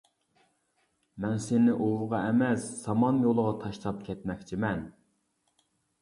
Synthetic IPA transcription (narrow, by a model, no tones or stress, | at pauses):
mɛnsenɪʔowʁɑɛmɛsːɑmɑnjolˠəʁɑt̪ʰɑʃt̪ʰɑp̚kʲʰɛt̪mɛkʲt͡ʃʰimɛn